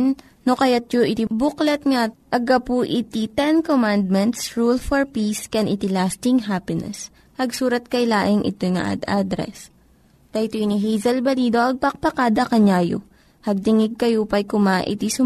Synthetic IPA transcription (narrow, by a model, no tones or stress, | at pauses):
n | nokɐjat̪̚t͡ʃoʔɪt̪ibʊklɐt̪̚ŋaʔɐɡɐpuʔɪt̪it̪ɛnkomand̪̚mɛnt̪sɹulfɔɹpiskɛnʔɪt̪ɪlast̪ɪŋɦapɪnɛ̰s | hɐɡsuːɾɐt̪̚kɐjlaːʔɪŋʔɪ̰t̪ojŋɐ̰ʔa̰d̪ʔad̪ɾɛ̰s | t̪ɐjt̪ojniɦɛjzɐlbɐliːd̪oʔɐɡ̚pɐk̚pɐkaːd̪ɐkɐɲaːjo̰ | hɐɡ̚t̪ɪŋɪɡ̚kɐjopɐjkʊmaʔɪ̰t̪isʊ